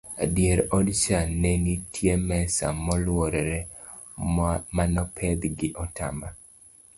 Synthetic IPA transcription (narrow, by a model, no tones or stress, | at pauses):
adjeɾɔdt͡ʃanenitʰjemɛsa̰mɔlwɔɾɛɾɛ | manɔpʰɛd̪ɡɪʔɔta̰ma